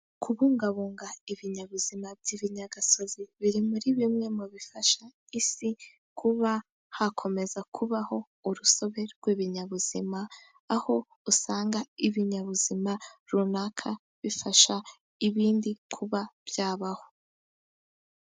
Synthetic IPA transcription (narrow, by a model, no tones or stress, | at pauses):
kʰuβuːŋɡaβuːŋɡaiβiɲaβuzimabɟiβiɲaɡaso̞ziβiɾimuɾiβimŋe̞muβifaʃa | isi | kʰuβa | hakʰo̞me̞zakʰuβaho̞ | uɾuso̞βe̞ɾɡwiːβiɲaβuz̥imaː | ho̞ | usaːŋɡaiβiɲaβuzimaɾunakʰa | βifaʃa | iβiːndikʰuβab̥jaːβaho̞̥